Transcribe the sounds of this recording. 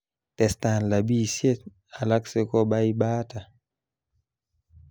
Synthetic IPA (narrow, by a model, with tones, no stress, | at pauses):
tɛ˨sta˨n˨la˨bi˦sje˦t | a˨la˦kse˦kɔ˦ɓa˦i˦ɓa˦ta˨